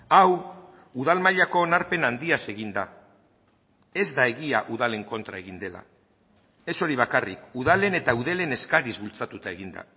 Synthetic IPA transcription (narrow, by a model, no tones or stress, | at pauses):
aw | uð̞almaʎako̞ːnaɾpe̞nand̪iase̞ɣind̪a | e̞zd̪ae̞ɣiaʔuðale̞ŋko̞nt̪ɾae̞ɣind̪e̞la̰ | e̞so̞ɾiβ̞akarikuð̞ale̞ne̞t̪auðe̞le̞ne̞skaɾizβult͡sat̪ut̪ae̞ɣind̪a̰